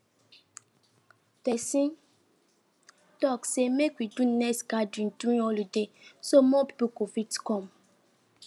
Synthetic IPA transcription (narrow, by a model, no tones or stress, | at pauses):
pɛsĩn | tɔksemekwidunɛsɡadɔ̃nduĩnɔlidesomɔpi̥pukofitkɔ̃m